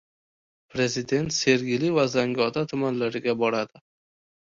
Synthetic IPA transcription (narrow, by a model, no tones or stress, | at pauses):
pʰɾe̞zɪd̪e̞nt̪se̞ɾɡʲɪlivazaŋɡʲɒt̪ʰat̪ʰʊmanlaɾɪɡʲabɒɾad̪ɪ